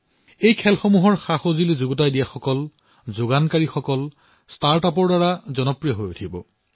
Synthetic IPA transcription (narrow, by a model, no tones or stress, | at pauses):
ejkʰɛlxomuɦɔɹxaxozilizuɡɔt̬ajdijaxɔkɔl | zoɡankaɹixɔkɔl | staɹtapɔɹdaɹazɔnɔpɹijɔɦojutʰibɔ̰